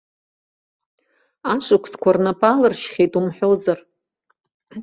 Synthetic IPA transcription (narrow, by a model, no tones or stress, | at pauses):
aʂʷʰʼakʷʰskʷʰarnapʼalɨrʃχʲejtʼumħʷᶣowzar